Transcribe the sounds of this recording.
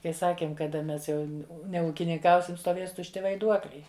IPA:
kɐɪ ˈsɑːkʲeːm kɐˈdɐ ˈmʲɛs ˈjɛʊ nʲɛuːkʲɪnʲɪŋˈkɐʊsʲɪm stoːˈʋʲeːs tʊʃʲˈtʲɪ ʋɐɪˈduɔklʲɛɪ

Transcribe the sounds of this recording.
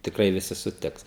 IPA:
tʲɪkˈrɐɪ ʋʲɪˈsʲɪ sʊˈtʲɪks

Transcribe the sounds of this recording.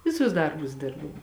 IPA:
ˈʋʲɪˌsʊs ˈdɐrbʊs ˈdʲɪrbɐʊ

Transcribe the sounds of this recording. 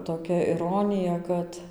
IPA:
toːˈkʲɛ ɪˈroːnʲɪjɛ ˈkɐt

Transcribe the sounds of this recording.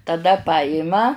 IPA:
tɐˈdɐ ˈpɑːjɪmɐ

